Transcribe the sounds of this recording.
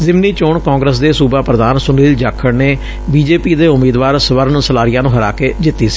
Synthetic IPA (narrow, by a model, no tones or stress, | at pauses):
zɪmniːt͡ʃoːɳkɔ̃ːŋɡɾəs̬d̪eːsuːbaːpɾəd̪aːnsʊniːld͡ʒaːkʰːəɽneː | biːd͡ʒeːpiːd̪eːʊmiːd̪ʋaːɾsəʋəɾnsəlaːɾɪijaːnũːɦəɾa̰ːkeːd͡ʒɪt̪ːiːsi̥ː